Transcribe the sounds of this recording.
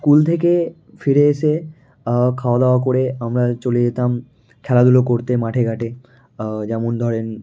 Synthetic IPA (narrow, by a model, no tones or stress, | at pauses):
skult̪ʰeke | fʰiɾeeʃe | kʰaoad̪awakoɾeamɾat͡ɕolid̪et̪am | kʰɛlad̪ʱulokoɾt̪emaʈʰeɡʱaʈe | d͡ʑɛmond̪ʱɔɾen